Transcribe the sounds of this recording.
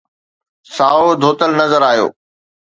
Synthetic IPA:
saːod̪ʱoːt̪əlnɐzəɾaːɦijo̰ː

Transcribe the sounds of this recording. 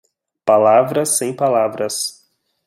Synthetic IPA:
palavɾɐsːẽj̃palavɾɐs

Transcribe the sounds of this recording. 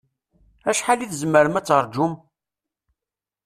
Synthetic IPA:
æʃħaliθəzməɾəmæt͡sːəɾˤd͡ʒʊm

